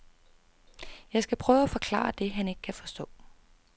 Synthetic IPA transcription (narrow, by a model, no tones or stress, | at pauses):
jɑ̈ɪsɡ̥æpʰʁœːʊæfɒ̽kʰlɑ̰̈ːd̥e̝ɦæne̝ɡ̥ə̥kʰæfɒ̽sd̥ɔ̰̽ː